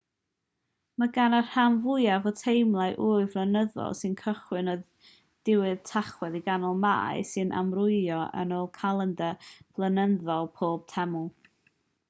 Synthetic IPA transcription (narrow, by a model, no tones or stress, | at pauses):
maɡanar̥hamvʊjavɔtʰejmlˠaɨʔuːɨvlˠənəðɔ̰lˠsɨnkʰəχwɨnɔð | d̥ɪwɨð̥tʰaχwɛðiɡanɔlˠma̰ːɨsɨnʔa̰mrʊɨjɔʔə̰noːlˠkʰalˠəndɛvlˠənənðɔlˠpʰoːb̥̚tʰɛmʊlˠ